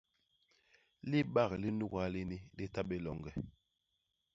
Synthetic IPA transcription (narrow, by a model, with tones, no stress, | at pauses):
li˦ɓa˦˨kli˦nu˦˨ka˦li˦ni˦li˦ta˦ɓe˦lɔ˨ŋɡɛ˨